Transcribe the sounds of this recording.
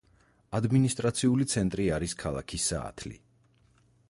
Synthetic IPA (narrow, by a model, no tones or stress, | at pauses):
ad̪minist̪ʼɾat̪sʰiulit̪sʰɛnt̪ʼɾiaɾiskʰalˠa̰kʰisa̰ːt̪ʰlḭ